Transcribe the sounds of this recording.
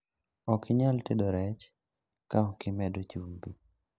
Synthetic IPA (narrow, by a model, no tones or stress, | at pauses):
ɔkɪɲaltedoɾɛt͡ʃ | kaɔkɪmɛdot͡ʃumbi